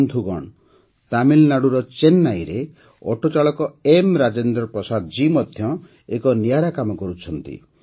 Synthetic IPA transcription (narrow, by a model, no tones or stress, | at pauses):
nd̪ʱuɡɔɳ | t̪amilnaɽuɾɔt͡ʃenːajɾe | ɔʈʰot͡ʃaɭɔkɔemɾad͡ʒend̪ɾɔpɾɔsad̪ɔd͡ʒimɔd̪ʱjɔ | ekɔnijaɾakamɔkɔɾut͡ʃʰɔnt̪ḭ